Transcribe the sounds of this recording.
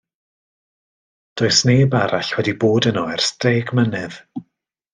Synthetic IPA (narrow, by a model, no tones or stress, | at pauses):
d̥oːɨsneːbaɾaɬwɛdiboːdənɔɛrsd̥eːɡmənɪð̥